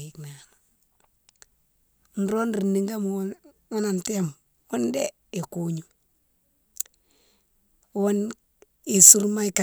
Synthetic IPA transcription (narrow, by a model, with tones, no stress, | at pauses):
i˨kna˨no˨ | n̩ɾo˦nɾi˨nːi˦ŋɡa˦m˨˦ | a˦na˨nte˦m | wo˦nde˦ | e˨ku˨˦ɲu˨ | wo˦n | e˨su˦ɾma˦i˦ka˨